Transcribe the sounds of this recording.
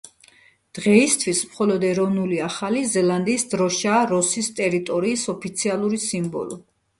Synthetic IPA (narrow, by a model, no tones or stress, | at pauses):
d̪̥ʁɛist̪ʰwismχɔlɔd̪ɛɾɔvnuliaχalizɛlˠand̪iːsd̪ɾɔʃaːɾɔsist̪ʼɛɾit̪ʼɔɾiːsɔpʰit̪sʰialˠuɾisimbɔ̰lˠɔ